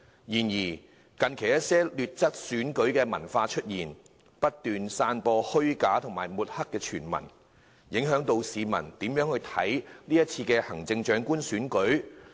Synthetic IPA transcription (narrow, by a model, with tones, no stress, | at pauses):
jiː˨˩njiː˨˩ | kɐ˨˧nkʰe˨˩jɐ˥t̚sɛː˥lyː˨t̚t͡sɐ˥t̚syː˨˥nkɵ˨˥ɥkɛː˧mɐ˨˩nfaː˧t͡ʃʰɵ˥t̚jiː˨˩n | pɐ˥t̚t̪yː˨nsaː˧npɔː˧hɵ˥ɥkaː˨˥t̪ʰʊ˨˩ŋmaː˨˩jmuː˨t̚hɐ˥kːɛː˧t͡ʃʰyː˨˩nmɐ̰˨˩n | jɪ˨˥ŋɦœː˨˥ŋt̪o˧wsiː˨˧mɐ̰˨˩nt̪iː˨˥mjœː˨˥ŋhɵ˧ɥt̪ʰɐ̰˨˥jliː˥jɐ˥t̚t͡sʰiː˧kɛ˧hɐ˨˩ŋt͡sɪ˧ŋt͡ʃœː˨˥ŋkuː˥nsyː˨˥nkɵ˨˥ɥ